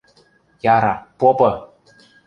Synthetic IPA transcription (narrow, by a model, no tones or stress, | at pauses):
jɑɾɑpopɤ̆